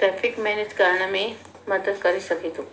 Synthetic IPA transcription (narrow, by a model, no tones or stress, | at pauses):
tɾɛfikmɛned͡ʒkaɾɳ̃ami | məd̪əd̪kəɾiʃəkit̪ũ